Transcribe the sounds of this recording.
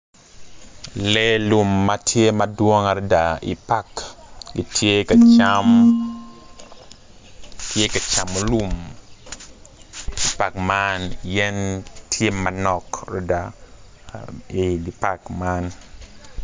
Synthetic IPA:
lɛ˦lu˨mːatʰje˦madwɔ˦ŋa˨ɾda˨ḭ˨pa˦kɡi˨tje˦ka˨t͡ʃam | tje˦ka˨t͡ʃa˨mo˦lu˦m | i˨pa˨kmanjɛ˦ntʰje˦ma˨nɔ˨kro˦da˨ | i˨di˨pa˨kman

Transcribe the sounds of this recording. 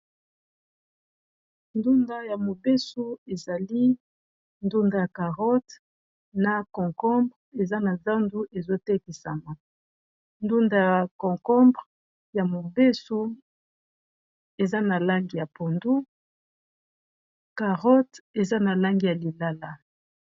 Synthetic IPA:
ndu˦nda˦ja˨mo˨be˦so˦e˨za˨li˦ | ndu˦nda˨ja˨ka˨ʁɔ˦t | na˨kɔ̃˨ŋkɔ̃˦mbʁe˨za˦na˨za˦ndu˦ʔe˨zo˦te˦ki˨sa˨ma˨ | ndu˦nda˦˨a˨kɔ̃˨ŋkɔ̃˦mbʁ | ja˨mo˨be˦so˦ | e˨za˦na˨la˦ŋɡi˨ja˨po˨ndu˦ | ka˨ʁɔ˦te˨za˦na˨la˦ŋɡi˦˨ja˨li˨la˦la˦

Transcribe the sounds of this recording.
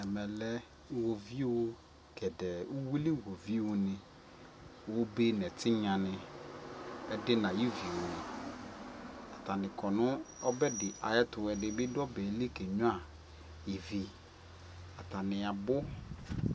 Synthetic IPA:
ɛ˨mɛ˨lɛ˦ | wo˨vi˦wo˦ | kɛ˨dɛ˨u˦wi˦li˦wo˨vi˦wo˦nɪ̃˨ | wo˦be˦nɛ˨tʰɪ˦ɲã˨nɪ̃˨ | ɛ˦dɪ˦nã˨ji˦vi˨wo˨nɪ˨ | a˨ta˨nɪ̃˨kɔ˨nʊ˦ɔ˦bɛ˦dɪ˨ʔa˨jɛ˦tʊ˨wɛ˨dɪ˦bɪ˦dɔ˦bɛ˨˦li˦kɛ˨ɲʊ̃˦a˨ | jɪ˨vi˨ | a˨ta˨nɪ˨a˨bʊ˦

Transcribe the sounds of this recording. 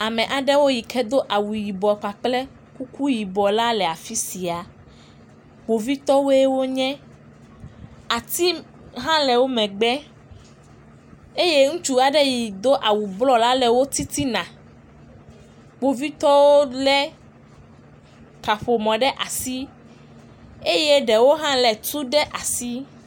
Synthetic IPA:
a˨mɛ̃˨ʔa˨ɖɛ˦wo˦ji˨kʰɛ˦d̪o˦ʔa˨wu˨ji˨bɔ˨k͡pa˨k͡plɛ˦ | ku˦ku˦ji˨bɔ˨la˦lɛ˨a˨fi˦si˨a˨ | k͡po˨vi˦t̪ɔ˦wo˦e˦wo˦ɲɛ̃˦ | a˨t̪i˦ | ɦã˦lɛ˨wo˦mɛ̃˨ɡ͡bɛ˦ | e˦je˦ŋũ˦t͡ʃu˦a˨ɖe˦ji˨d̪o˦ʔa˨wu˨blɔ˦la˦lɛ˨wo˦t̪i˦t̪i˦nã˨ | ɡ͡bo˨vi˦t̪ɔ˦wo˦lɛ˦ | ka˨ɸo˨mɔ̃˨ɖɛ˦ʔa˨si˦ | e˦je˦ɖɛ˨wo˦ɦã˦lɛ˨t̪u˦ɖɛ˦ʔa˨si˦

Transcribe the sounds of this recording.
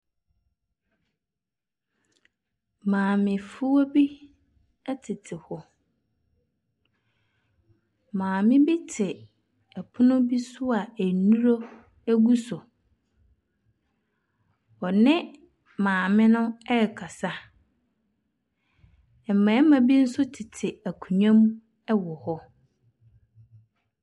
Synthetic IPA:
mãː˨mɪ̃˨fu˦wo˦bi˦ | ɛ˦tʰɪ˨tʰɪ˨hɔ˨ | mãː˨mɪ̃˦bi˦tʰɪ˨ | ɛ˨pʰʊ˦nʊ̃˦bi˦sʊ˦a˨æ˨nũ˦ɾo˦ | æ˦ɡu˦sɔ˨ | ɔ˨nɪ̃˦ | mãː˨mɪ̃˦nʊ̃˦ɛ˦˨kʰa˨sa˦ | ɛ˨m˨mã˨˦mã˨bi˦n̩˦sʊ˦tʰɪ˨tʰɪ˨æ˨kʰũ˨ɲᶣã˦m | ɛ˦wɔ˨hɔ˦

